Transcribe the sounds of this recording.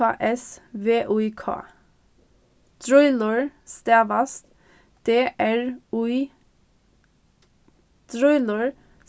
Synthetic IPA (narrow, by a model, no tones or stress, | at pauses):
ɑ̰ːʔɛsʋeːʔʉikʰɑ̰ː | t̪ʰɹɔʏləɹst̪æːʋɑst̪ | d̪̥eːʔæɹʉ | t̪ʰɾɔʏlɔɹ